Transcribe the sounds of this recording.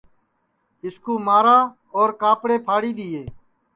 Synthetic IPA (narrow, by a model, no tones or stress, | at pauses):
ɪskuːmaːɾaː | oːɾkaːpɽeːpʰaːɽiːd̪iːeː